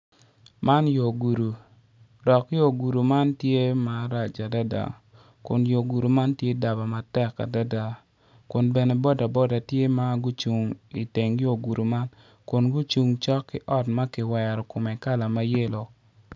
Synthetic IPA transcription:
ma˦njo˨ɡu˨ɾu˨ | dɔ˨kjo˦˨ɡu˨ɾu˨ma˦ntje˦ma˨˦ɾa˨t͡ʃa˨da˦da̰˨ | kʊ̰˨njo˨ɡu˨ɾu˨ma˦ntje˦da˨ba˨ma˨tɛ˦kːa̰˨da˦da˨ | kʊ˨nbɛ˨nɛ˨bɔ˦da˨bɔ˦da˨tje˦ma˦ɡu˦t͡ʃu˨ŋi˨te˨ŋjo˨ɡu˨ɾu˨ma˦n | kʊ˨nɡu˦t͡ʃu˨ŋt͡ʃɔ˦kːɪ˦ʔɔ˦tma˦kɪ˨wɛ˨ɾɔ˨kʊ˨mɛ˨ka˦la˨ma˦je˦lo˨

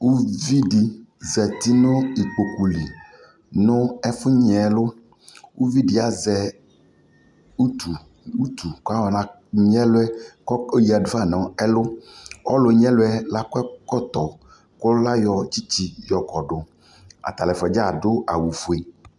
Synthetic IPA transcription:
wu˦vi˦ɖi˨zɛ˨t̪i˦no˦i˨k͡po˨ku˨li˨ | nʊ̃˦ɛ˦fʊ˦ɲɛ˨˦lʊ˦ | wu˦vi˦ɖi˦a˨zɛ˨ | u˦t̪u˨ | u˦t̪u˨ka˦wɔ˨nã˨ | ɲ˦ɛ̃˦lʊ˦ɛ˦kɔ˦o˦ji˨a˨da˦˨nɔ̃˨ɛ˦lʊ˦wɔ˦lo˨ɲ˦ɛ̃˦lo˦ɛ˦la˦kɛ˦kɔ˦t̪ɔ˨ | ko˦la˦jɔ˨t͡ɕi˦t͡ɕi˦jɔ˨kɔ˨ɖʊ˨ | a̰˨t̪a˨lɛ˨fɛ˨d͡ʒa˦˨ɖo˦a̰˨wu˨fu˨e˨

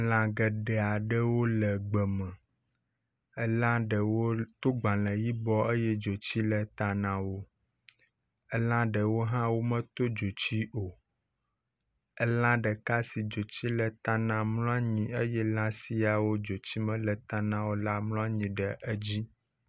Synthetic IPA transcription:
lã˨ɡə˨ɖɛ˨a˨ɖə˦wo˦lə˨ɡ͡bə˨mɛ̃˨ | ɛ˦lã˦ɖə˨wo˦t̪o˦ɡ͡bã˨lɛ̃˨ji˦bɔ˦e˦jɛ˦d͡ʒo˨t͡ɕi˦lə˨t̪a˨nã˨wo˦ | ɛ˦lã˦ɖə˨wo˦ɦã˦wo˦mə̃˦t̪o˦d͡ʒo˨t͡ɕi˦ʔo˨ | ɛ˦lã˦ɖə˨ka˦si˨d͡ʒo˨t͡ɕi˦lə˨t̪ã˨nã˨mluɔ̃˦a˦ɲĩ˨ə˦jɛ˦lã˦si˦a˨wo˦d͡ʒo˨t͡ɕi˦mɛ̃˨lə˨t̪a˨nã˨˦wo˦la˦mlɔ̃˦a˦ɲĩ˨ɖə˨ʔə˦d͡ʑi˦

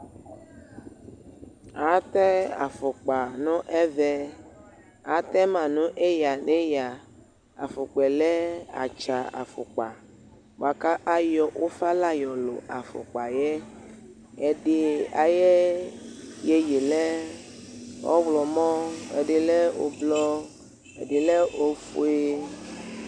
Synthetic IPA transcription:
a˨t̪ɛ˦a̰˨fo˨k͡pa˨nɔ̃˦ʔɛ˦vɛ˦ | a˨t̪ɛ˦mã˨nũ˦ʔe˦ja˨nẽ˦ja˨ | a̰˨fo˨k͡pɛ˨lɛ˦a̰˨t͡ʃa˨a̰˨fo˨k͡pa˨ | wo̰˨a˨ka˦ʔa˦jɔ˦wʔo˦fa˦la˦jɔ˨lo̰˨a˨fo̰˨k͡pa˨jɛ˦ | e˨ɖe˨a̰˨je˦ | je˦je˨lɛ˦ | ɔ̰˦wlɔ˨mɔ̃˦ḛ˨ɖe˨le˦wo̰˨blɔ˦ | e˨ɖe˨le˦o˦fo˦e˦

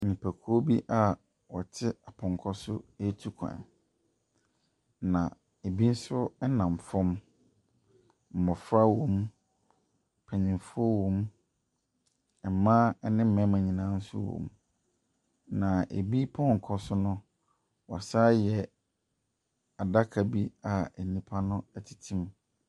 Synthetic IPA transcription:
ɲĩ˨pʰæ˨kʰo˦bi˦ʔa˦ | wɔ˨t͡ɕʰɪ˦a˨pʰʊ̃˨ŋ˨kʰɔ˦sʊ˦e˦tʰu˦kʰã̰˨ | nã˨ | e˨bi˦n̩˦sʊ˦ɛ˦nã˨m˨fɔ̃˦m | m̩˨mɔ̃˨fɾa˦wɔ̃˨m | pʰæ˨ɲĩ˨fʊ˦ɔ˦wɔ̃˦m | ɛ˨mã˦ɛ˦nɪ̃˦m̩˦mɛ̃˨˦mã˨ɲĩ˨nãː˦n̩˦sʊ̰˦wõ̰˨m | nã˨ʔḛ˨bi˦pʰɔ̃˦ŋ̩˨kʰɔ˦sʊ˦nʊ̃˦ | wɔ˨a˨saː˦jɛ˨ | a˨da˦kʰa˨bi˦a˨e˨nĩ˦pʰa˦nʊ̃˦ɛ˨tʰi̥˨tʰĩ˦m

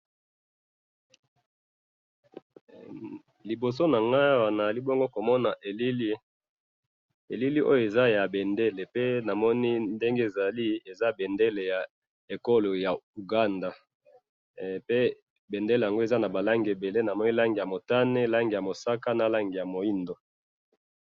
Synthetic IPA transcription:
li˨bo˨s̬o˦na˨ŋɡa˦wa˨na˨a˨li˦bo˦ŋɡo˦ko˨mɔ˦na˨ʔe˨li˦li˦ | e˨li˦li˦ʔo̰˦jo˦˨e˨za˦ja˨be˨nde˦le˨pe˦na˨mɔ˦ni˦nde˦ŋɡe˦e˨za˨li˦e˨za˦be˨nde˦le˨ja˨ | e˨ko˦lo˨ja˨u˨ɡa˦nda˨ | pe˦ | be˨nde˦le˨ja˨ŋɡo˦e˨za˦na˨ba˨la˦ŋɡe˨be˨le˦na˨mɔ˦ni˦la˦ŋɡi˨ja˨mo˨ta˦ne˦la˦ŋɡi˨ja˨mo˨sa˦ka˦na˨la˦ŋɡi˨ja˨mo˨i˦ndo˨

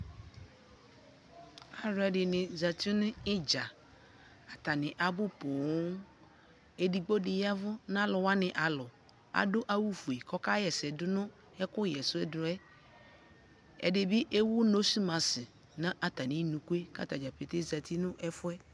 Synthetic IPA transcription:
a˨ɾɛ˨dɪ˨nɪ̃˨za˨t̪i˦nʊ̃˦ɪ˦d͡ʒa˨ | a˨t̪a˨nɪ̃˨ʔa˨bʊ˦po˨˦ŋ | e˨di˨ɡ͡bo˦dɪ˨ja˦vʊ˦n˦ã˦lʊ˨wa˦nɪ̃˨ʔa˨lʊ˨ | a̰˨dʊ˦ʔa˦wu˦fu˨e˨kɔ˦ka˦jɛ˨sɛ˨dʊ˦nʊ̃˦ | ɛ˦kʊ˦jɛ˨sʊ˦ɛ˦dɾʊ˨ɛ˦ | ɛ̰˨dɪ˨bɪ˦ʔe˦wʊ˦no˦su˦mã˨sɪ˨ | nã˦ʔa˨t̪a˨nɪ̃˦nũ˨ku˦e˦ka̰˦t̪a˨d͡ʒa˨pe˨t̪e˦za˨t̪i˦nʊ̃˦ʔɛ˦fʊ˦ɛ˦

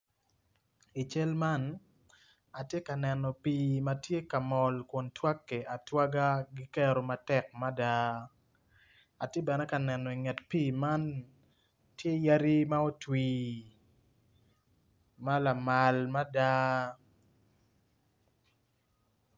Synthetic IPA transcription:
i˨t͡ʃɛ˦lma˦n | a˨tje˦ka˨nɛ˨nɔ˨pi˨ma˨tje˦ka˨mɔ˨lkɔ˨ntwa˦kːe˨ʔa˨twa˦ɡa˦ɡi˦kɛ˦ɾo˨ma˨tɛ˦k̚ma˦da˦ | a˨tje˦bɛ˨nɛ˦ka˨nɛ˨nɔ˨i˨ŋɛ˨tpiː˦˨ma˦n | tje˦ja˦ɾi˦ma˦o˦twi˨ | ma˦la˨ma˨lma˦da˦

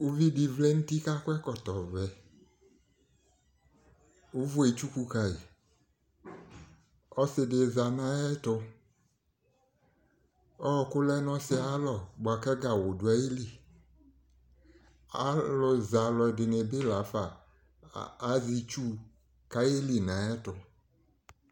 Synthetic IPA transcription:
o˦vi˦di˨vle˦ŋũ˦t̪i˦ka˦kʊ˦ɛ˦kɔ˨t̪ɔ˨vɛ˨ | wu˦vu˦e˨t͡ʃu˦ku˦ka˨e˨ | ɔ˦sɪ˨de˨za˨nã˦ɛ˦t̪ʊ˧ | ɔ˦˨kʊ˦lɛ˦nɔ̃˦sɪ˦a˨˦lɔ˨bo˨a˨kɛ˦ɡa˨wʊ˨dʊ˨a˨˦e˦li˨ | a˦lʊ˨za˨lɔ˨˧˨dɪ˨ne˨bɪ˦la˨˦fa˨˦ | zi˧t͡ʃu˦ | ka˦je˦li˨nã˨˦ɛ˦tʊ˨

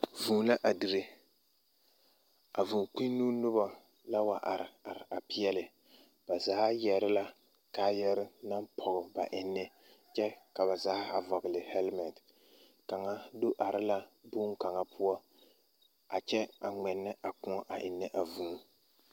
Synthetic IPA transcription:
vuː˨˦la˦ʔa˨di˨ɾe˦ | a˨vu˨k͡pĩ˦nːuː˦nʊ˦ba˦ | la˦wa˨ʔa˨ɾɪ˨a˨ɾɪ˨a˨pi˦ɛ˦lɪ˨ | ba˨zaː˦jɛ˨ɾɪ˦la˦ | ka˨˦jɛ˦ɾɪ˦na˦mpʰɔ˨ɣɪ˨ba˨ʔɪ˨nːɪ˦ | t͡ʃɛ˦ka˨ba˨zaː˦a˨vɔ˨ɡɪ˨lɪ˨hɛ˦lmɛ˨nt | ka˨ŋa˦dʊ˦ʔa˨ɾɪ˦la˦bu˦ŋ˦ka˨ŋa˦pʰʊ˦ɔ˦ | a˨t͡ʃɛ˦a˨ŋɛ˨nːɨ˦ʔa˨kʊ˦ɔ˦ʔa˨ʔɪ˨nːɨ˦ʔa˨vuː˨˦

